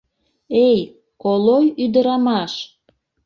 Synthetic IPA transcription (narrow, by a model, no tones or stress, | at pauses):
ej | kolojyd̪əɾɑmɑʃ